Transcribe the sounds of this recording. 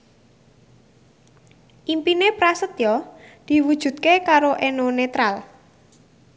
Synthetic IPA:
ʔimpinepɾasət̪jɔd̪̥i̤wud̥ʒ̥ṳd̪̚kekaɾoʔenonet̪ɾal

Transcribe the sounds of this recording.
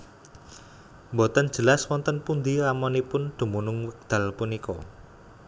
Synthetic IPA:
mbot̪ən̥d͡ʒ̥ə̤laswɔnt̪ənpund̪iramɔnipʊnd̪̥ṳmunʊŋwək̚d̪̥a̤lpunikɔ̰

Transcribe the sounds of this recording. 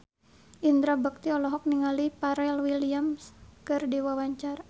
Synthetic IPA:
ʔind̪ɾabək̚t̪iɔlɔɦɔk̚niŋalipaɾɛlwiliamskɨrdiwawaɲt͡ʃaɾa

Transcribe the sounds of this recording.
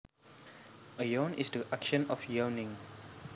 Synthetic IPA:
əjõnisdəʔakʃə̃nɔfjənɪ̃ŋ

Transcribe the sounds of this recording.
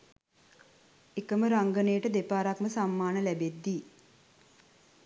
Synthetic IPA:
ekəməɾaŋɡənejːʈəd̪epaːɾakməsamːaːnəlæbed̪ːi

